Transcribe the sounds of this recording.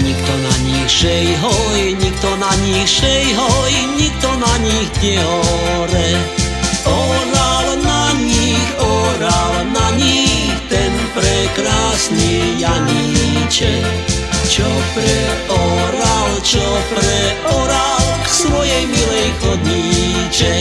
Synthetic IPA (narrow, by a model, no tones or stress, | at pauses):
ɲikt̪ɔnaɲiʃɛjɦɔjɲik̚t̪ɔnaɲiʃɛjɦɔjɲik̚t̪ɔnaɲiɣɲɛɦɔ | ɾɛ | ɔɾalnaɲixɔɾalnaɲixt̪ɛnpɾɛkɾaːsnijaɲit͡ʃɛ | t͡ʃɔpɾɛɔɾalt͡ʃɔpɾɛʔɔɾalksʋɔjɛjmilɛjxɔd̪ɲiːt͡ʃɛ